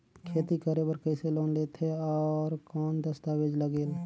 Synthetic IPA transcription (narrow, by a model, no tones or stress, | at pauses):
kʰeːt̪ikəɾebəɾkəɪseloːnleːt̪eɔːɾkɔːnd̪əst̪aʋeːd͡ʒləɡeːl